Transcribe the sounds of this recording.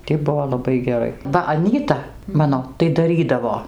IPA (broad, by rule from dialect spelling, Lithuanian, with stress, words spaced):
tʲiː ˈbʊʋoː lˠɐˈbɐɪ ɡʲɛˈrɐɪ ˈʋɐ ɐˈnʲiːtɐ ˈmɑːnoː tɐɪ dɐˈrʲiːdɐʋoː